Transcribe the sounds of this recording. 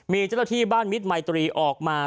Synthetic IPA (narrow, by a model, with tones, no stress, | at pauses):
miː˧t͡ɕa˥˩na˥t̪ʰiː˥˩baː˥˩nmi˦˥t̪̚ma˧jt̪ɾiː˧ʔɔː˨˩k̚maː˧